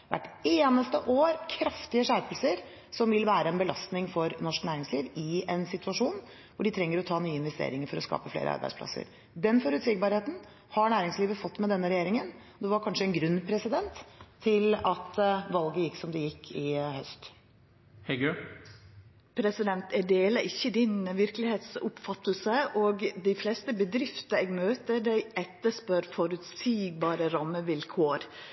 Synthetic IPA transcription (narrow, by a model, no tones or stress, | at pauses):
ʋæ̰ʈeːnəst̪əʔoːɾkʰɾɑft̪ɪəʂæːɾpəlsəɾ | sɔmʋɪlʋæːɾəɛnbəlɑst̪nɪŋfɔɾnɔʂknæːɾɪŋsliːʋɪɛnsɪt̪ʉɑʂuːn | ʋʊɖɪt̪ʰɾɛŋːəɾɔt̪ʰɑːnyːəɪnʋɛst̪ḛːɾɪŋəɾfɔɾɔskɑ̰ːpəflḛːɾə̰ɑ̰ɾbæ̰ɪspʰlɑ̰sə̰ɾ | d̪ɛnfɔɾʉt̪sɪɡbɑɾheːt̪n̩ | hɑɳæːɾɪŋsliːʋəfɔt̪ːmɛd̪ɛnːəɾɛjeːɾɪŋənɔd̪ɛʋɑɾkʰɑnʂəɛnɡɾʉnːpʰɾɛsɪd̪ɛnt̪ʰːɪlɑt̪ʋɑlɡəjɪksɔmd̪ɛjɪkʰːɪhœst̪ | hɛɡø | pʰɾɛsɪd̪ɛnt̪ɛɖeːləʔɪçːəd̪ɪnʋɪɾkəlɪheːt̪sʊpfɑt̪ːlsəʔɔɡd̪æɪflɛːst̪əbəd̪ɾɪft̪əɛɡmøːt̪əd̪æɪʔɛt̪ːəʂpœɾfɔɾʉt̪siːɡ̚bɑːɾəɾɑmːəʋɪlkʰoːɾ